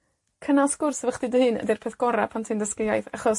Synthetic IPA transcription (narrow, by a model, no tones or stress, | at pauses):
kʰənalˠskʊrsəvəχdɨdəhɨːnə̰dɪrpʰeːθɡ̥ɔɾapʰantʰɨndəskɪjajθaχɔs